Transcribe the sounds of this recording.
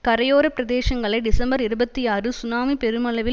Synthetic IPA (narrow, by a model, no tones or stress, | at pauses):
kɐɾɐjoːɾɐpɪɾɐðeːʂɐŋɡɐɭɐɪɖɪsɐmbɐɾɪɾɯbɐt̪ːijaːrɯsʊnaːmipɛɾɯmɐlɐʋɪ